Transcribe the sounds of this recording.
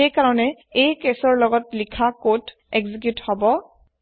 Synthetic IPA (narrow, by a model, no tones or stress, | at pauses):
ejkaɹɔnɛ | ejkesɔɹlɔɡɔtlikʰakot | ɛkzik̬juthɔbɔ